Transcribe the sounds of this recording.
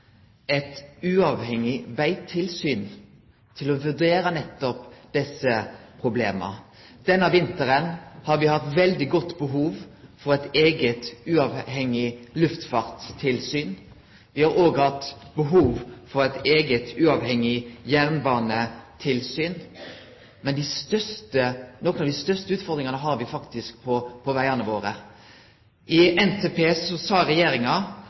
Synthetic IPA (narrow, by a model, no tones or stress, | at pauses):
ɛt̪ʉɑːʋhɛŋɪʋæɪt̪ʰɪlsyːn | t̪ʰɪlɔʋʉʁd̪eːɾənɛt̪ːɔpd̪̥ɛsəpʰʁʊbleːmə̰ | d̪̥ɛnːɑʋɪnt̪əʁənhɑʁʋɪhɑt̪ʋɛld̪ɪɡɔt̪ːbəɦuːʋfɔʁɛt̪eːɡət̪ʉɑʋhɛŋɪlʉft̪fɑːʁt̪ʰːɪlsyːn | ʋɪhɑɾoːɡhɑt̪ːbəɦuːʋfɔɾæɪt̪eːɡət̪ʉːɑʋhɛŋɪjæɾnbɑːnət̪ʰɪlsyːn | mɛnd̪ɪst̪œst̪ənɔkənɑʋd̪ɪst̪œst̪əʉːt̪fɔɾd̪ɾɪŋɑnəɦɑɾʋɪfɑkt̪ɪsk̚pʰɔpʰɔʋæɪɑnəʋoːɾə | ʔɪɛnt̪ʰeːpʰeːsɔsɑːɾɛjeːɾɪŋɑ